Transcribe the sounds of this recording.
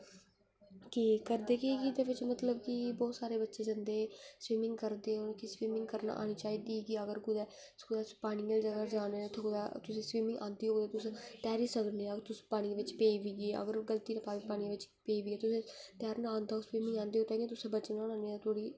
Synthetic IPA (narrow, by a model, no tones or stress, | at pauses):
kiːkəɾd̪eːkekid̪eːʋɪt͡ʃmət̪ləbkɪbɔːt̪saːɾeːbətːʃeːd͡ʒənd̪eːsʋiːmɪ̃ŋɡkəɾd̪eːokisʋiːmɪ̃ŋɡkəɾna̰ːʔa̰ːniːt͡ʃaːiːd̪iːɡiəɡəɾkʊd̪ɛː | skʊd̪aːspaːɽ̃iːəld͡ʒəɡaːd͡ʒaːnet̪ʰod̪aːt̪ʊsẽːsʋiːmɪ̃ŋɡʔã̰ːnd̪iːɦoːd̪eːt̪ʊsẽt̪ɛːɾiːsəkneːəɡəɾt̪ʊspaːɽ̃iʋɪt͡ʃpeːʋiːɡeːə̰ɡəɾɡəlt̪iːnãːpaːiːpaːnĩãʋɪt͡ʃpeːiʋiːɡɛːt̪ʊsẽːt̪jaːɾnãːnd̪aːosʋiːmɪ̃ŋɡãːnd̪eːoːt̪ãːŋɡeːt̪ʊsẽːbəːt͡ʃnãnãːnet̪ʰoːɽiː